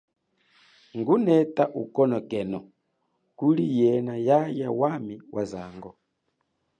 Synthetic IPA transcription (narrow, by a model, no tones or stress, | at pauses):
ŋɡunɛtaʔukɔnɔkɛnɔ | kulijɛnajajawamiwʔaza̰ŋɡɔ